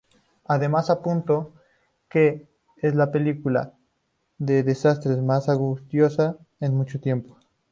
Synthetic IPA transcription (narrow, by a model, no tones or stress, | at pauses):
aðemasapunt̪o | ke | eslapelikula̰ | ðeðesast̪ɾesmasaɣust̪josa | enmut͡ʃot̪jempo